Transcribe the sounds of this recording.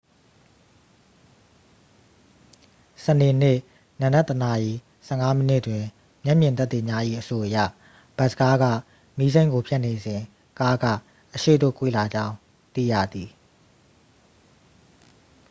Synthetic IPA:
səne˨n̥ɪ˦˨ | nã˨nɛ˦t̪ːə˨na˨ʔi˨ | sɛ˦˨ŋa˦mə˦nɪ˦ʔtwɪ̃˨ | mjɛ˦ʔmjɪ̃˨nt̪̬a˦t̪ːe˨ɲja˦ʔḭ˦˨ʔəso˨ʔəjä̰˦˨ | b̥ɛ˦ʔsə̥ka˦ɡä̰˦˨ | mi˦zẽ˦ŋɡo˨pʰjɛ˦ʔne˨zɪ̃˨ | ka˦ɡa̰˦˨ | ʔəʃḛ˦˨do̰˦˨kwḛ˦˨la˨d͡ʑã˦ʊ̃ | t̪ḭ˦˨jä̰˦˨d̪i˨

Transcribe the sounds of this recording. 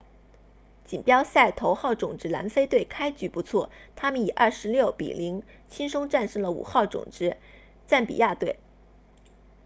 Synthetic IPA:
t͡ɕi˨˩npjɑ˥ʊɕa˥˩ɪt̪ʰo˧˥ʊxɑ˥˩ʊʈ͡ʂʊ˨˩ŋʈ͡ʂɻ̩˥la̰˧˥nfe˥ɪt̪we˥˩ɪkʰa˥ɪt͡ɕy˧˥pu˧˥t͡sʰwɔ˥˩t̪ʰa˥mə˨ni˨˩ʔɐ˥˩ʂɻ̩˧˥ljo˥˩ʊpḭ˨˩li˧˥ŋ | t͡ɕʰi˥ŋʂʊ˥ŋʈ͡ʂa˥˧nʂɤ˥˩ŋlə˩ṵ˨˩xɑ˥˩ʊʈ͡ʂʊ̰˨˩ŋʈ͡ʂɻ̩˥ | t͡sa˥˩npḭ˨˩ja˥˧t̪we˥˩ɪ

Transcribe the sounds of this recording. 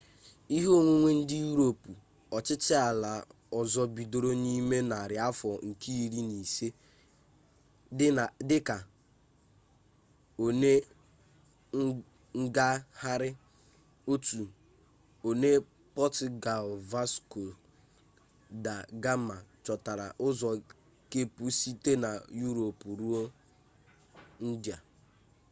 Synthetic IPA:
i˦ɦo˦ŋʷe˦ŋʷe˦n̩˦dɪ˦ju˦ɾo˨pu˨ | ɔ˨t͡ʃɪ˦t͡ʃɪ˦a˨la˨ | ɔ˨zɔ˦bi˨do˨ɾo˦ni˦me˦na˨ɾɪ˨a˦fɔ˨ŋ̩˨ki˦i˨ɾi˦ni˨se˦ | ɪ˦a˨dɪ˦ka˨ | o˨ne˦ | ŋ̩˦ɡa˦ha˦ɾɪ˦ | o˦tu˨ | o˨ne˦ | pɔ˦tɪ˨ɡa˨lva˦sko˨ | da˨ɡa˦ma˨t͡ʃɔ˨ta˨ɾa̰˨ʔʊ˦zɔ˨ | ke˦pu˦si˦te˦na˨ju˦ɾo˨pu˨ɾu˦o˦ | n̩˦dja˨

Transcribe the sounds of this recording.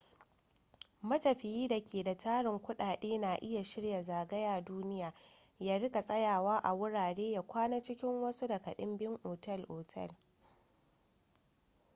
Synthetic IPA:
mɐ˦tɐ˨ɸɪ˨jiː˦da˨kʲʰeː˨da˨tʰaː˦ɽɪ˨ŋkʷʊ˦ɗaː˨ɗeː˦na˨ʔɪ˦ja˨ʃɪ˦ɽja˨zaː˨ɡɐ˦jaː˨duː˦nɪ˦jaː˨ | jaː˦ɽɪ˦ka˨sʼɐ˦jaː˨waː˦ʔa˨wʊ˦ɽaː˨ɽeː˦ja˦kʷaː˦na˦t͡ʃɪ˦kʲɪ˦ŋwɐ˦su˦dɐ˨kɐ˨ɗɪ˦mbɪ˦ŋʔoː˨tɐ˦˨lʔoː˨tʰɛ̰˦˨l

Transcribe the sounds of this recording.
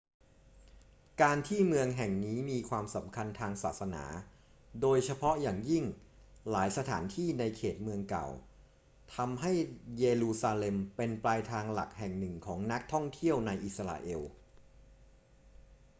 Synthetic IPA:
kaː˧nt̪ʰiː˥˩mɯ˧əŋɦɛ˨˩ŋniː˦˥miː˧kʰwaː˧msa˩˦mkʰa˧nt̪ʰaː˧ŋsaː˨˩t̪̚sa˧na̰ː˩˦ | doː˧jt͡ɕʰa˧pʰɔ˦˥jaː˨˩ŋji˥˩ŋ | laː˩˦jsa˧t̪ʰaː˩˦nt̪ʰiː˥˩na˧jkʰeː˨˩t̪̚mɯ˧əŋka̰˨˩w | t̪ʰa˧mɦa˥˩jjeː˧luː˧saː˧le˧mpe˧nplaː˧jt̪ʰaː˧ŋla̰˨˩k̚hɛ˨˩ŋnɯ˨˩ŋkʰɔː˩˦ŋna˦˥k̚t̪ʰɔ˥˩ŋt̪ʰi˥˩əwna˧jʔi˨˩sa˧a̰ː˧ʔe˧w

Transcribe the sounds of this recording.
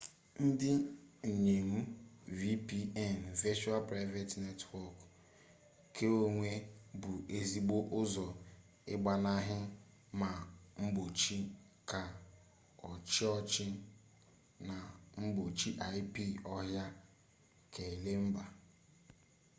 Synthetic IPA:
n̩˦dɪ˦˨ɲe˨mu˦vi˦pi˦ɛ˦˨n˨ve˦t͡ʃu˦a˦lpɾa˦ɪ˦ve˦tne˦twɔ˦k | kʰe˦o˦ŋʷe˦bʊ˨ʔe˦zi˦ɡ͡bo˦ʔʊ˦zɔ˨ | ɪ̰˦ɡ͡ba˨na˦ɦɪ˦ | ma˨ŋ͡m̩˦ɡ͡bo˨t͡ʃi˦ | ka˨ | ɔ˨t͡ʃɪ˦ɔ˦t͡ʃɪ˦ | na˨ŋ͡m̩˦ɡ͡bo˨t͡ʃi˦ʔa˦ɪ˦pi˦ɔ˦ɦja˦ | kʰe˨le˦m̩˦ba˨

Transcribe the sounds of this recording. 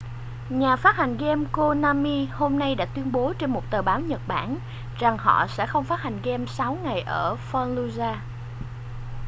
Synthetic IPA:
ɲaː˨˩faː˦˥t̚ha˨˩jŋ̟ɣɛ˧mko˧naː˧mi˧ho˧mna˧jɗa̰ː˧˥t̪wi˧ənɓo˨˦t͡ɕe˧nmo˨˩t̚t̪əː˨˩ɓaː˨˦wɲə˨˩t̚ɓa̰ː˧˩n | za˨˩ŋɦɔ̰˧˨sɛ̰˧˥xə˧wŋ͡mfaː˦˥t̚ha˨˩jŋ̟ɣɛ˧msa˨˦wŋa˨˩jʔəː˧˩fɔ˧nlu˧zaː˧

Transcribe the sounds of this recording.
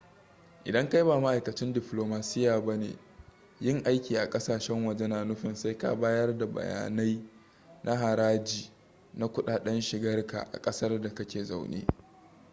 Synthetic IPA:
ʔɪ̰˨dɐ˦ŋka˦jbaː˨ma˦ʔa˨jkɐ˨t͡ʃɪ˦ndɪ˨ploː˨maː˨sɪ˦jaː˨ba˦nḛː˨ | jɪ˦˨ŋʔa˦jkʲiː˨ʔa˨kʼɐ˦saː˨ʃɛ˦ŋwɐ˨d͡ʒe˦naː˨nʊ˦ɸɪ˨nsa˦jka̰˦baː˦jɐ˦rda˨bɐ̰˨ja̰ː˨na˦j | nʔa˦ɦa˨ɾaː˦d͡ʒiː˨ | na˦kʷʊ˦ɗaː˨ɗɛ˦nʃɪ˨ɡɐ˦rka̰˨ʔa̰˨kʼɐ˦sɐ˦rda˨kɐ˦kʲeː˨za̰˦˨wnḛː˦

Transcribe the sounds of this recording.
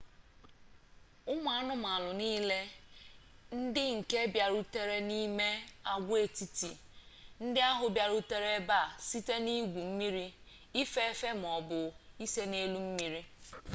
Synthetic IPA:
ʊ˦mʊ˨˦a˦nʊ˦m˨a˨lʊ˨niː˦le˦ | n̩˦dɪ˦ŋ̩˨ke˦bja˨ɾʊ˦te˦ɾe˦ni˦me˦a˦ɡʷe˨ti˨ti˨ | n̩˦dɪ˦a˦ɦʊ˨bja˨ɾʊ˦te˦ɾe˦ba˦˨si˦te˦ni˦ɡʷu˨m̩˦mi˦ɾi˦ | i˦fe˦fe˦m̩˨ɔ˨bʊ˨i˦se˦ne˦lu˦m̩˦mi˦ɾi˦

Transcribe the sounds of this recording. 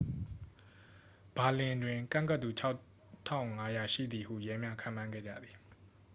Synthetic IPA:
b̥a˨lɪ̃˨ndwɪ̃˨ŋkã̰˦˨ŋka˦t̪ːu˨t͡ɕʰa˦ʊ | tʰã̰˦˨ʊ̃ŋa˦ja˨ʃḭ˦˨d̪i˨ɦṵ˦˨jɛ˦mja˦kʰã̰˦˨m̥ːã˦ŋɡɛ̰˦˨d͡ʑä̰˦˨d̪ði˨

